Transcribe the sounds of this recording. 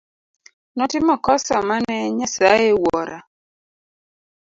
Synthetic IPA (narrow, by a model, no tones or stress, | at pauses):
nɔtɪmɔkɔsɔmanɛɲasajewɔɾa